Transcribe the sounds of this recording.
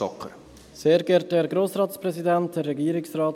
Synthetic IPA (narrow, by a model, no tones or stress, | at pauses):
ɔkʰːəɾ | seːɾɡɛɾt̚ɛɾɡɾoːsɾɑːtspɾɛsidɛnt̚dɛrɛɡiːəɾɪksrɑːt